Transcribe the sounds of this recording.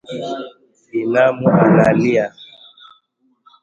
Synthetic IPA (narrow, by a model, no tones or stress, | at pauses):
inamuunalia